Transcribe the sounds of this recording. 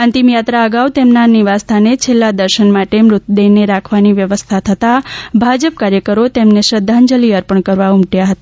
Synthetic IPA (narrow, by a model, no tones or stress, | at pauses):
ə̃nt̪imjat̪ɾaəɡaʋt̪emnaniʋast̪ʰanet͡ʃʰelːad̪əɾʃənmaʈemɾʊt̪̚d̪eneɾakʰʋaniʋjəʋəst̪ʰat̪ʰət̪abʱad͡ʒəp̚kaɾjəkəɾot̪emneʃɾəd̪ʱːand͡ʒəliəɾpəɳkəɾʋaumʈjaɦət̪a